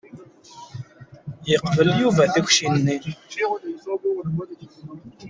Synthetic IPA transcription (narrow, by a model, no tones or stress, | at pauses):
jiqvəljuvæθəxʷʃinːi